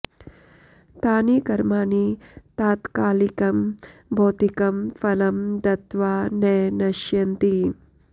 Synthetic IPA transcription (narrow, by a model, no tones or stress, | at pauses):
t̪aːnikɐɾmaːnit̪aːt̪kaːlikɐmbʱoːt̪ikɐmfɐlɐmd̪ɐt̪ʋaːnɛːnɐʃjɐnt̪i